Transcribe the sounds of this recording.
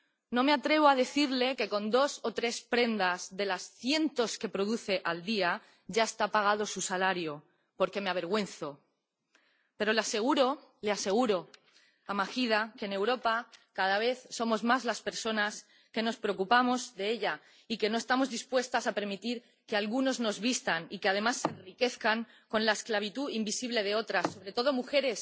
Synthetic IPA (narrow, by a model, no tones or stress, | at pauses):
nõ̞me̞at̪ɾe̞β̞o̞að̞e̞θiɾle̞ke̞ko̞nd̪o̞so̞t̪ɾe̞spɾe̞nd̪azðe̞lasθje̞nt̪o̞ske̞pɾo̞ðuθe̞ʔald̪ia | ʝae̞st̪apaɣ̞að̞o̞susalaɾjo | po̞ɾke̞meaβ̞e̞ɾɣwe̞nθo̞ | pe̞ɾo̞lease̞ɣuɾo̞lease̞ɣ̞uɾo̞ | amaxiðakene̞wɾo̞pakað̞aβ̞e̞θso̞mo̞zmazlaspe̞ɾso̞nas | ke̞no̞spɾeok̬upamo̞zðe̞eʎa | ike̞no̞e̞st̪amo̞zðispwe̞st̪asape̞ɾmit̪iɾ | kealɣuno̞zno̞zβist̪anikeað̞e̞masːenrike̞θkaŋ | ko̞nlae̞sklaβ̞it̪uimbisiβle̞ð̞e̞o̞t̪ɾasːo̞βɾe̞t̪o̞ð̞omuxe̞ɾe̞s